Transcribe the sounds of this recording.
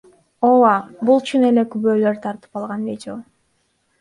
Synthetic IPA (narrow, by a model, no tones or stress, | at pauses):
owɑbulˠt͡ʃʰune̞le̞kyβøːlø̞ɾt̪ʰɑɾt̪ɯ̥pɑlˠʁɑnvʲedʲɪo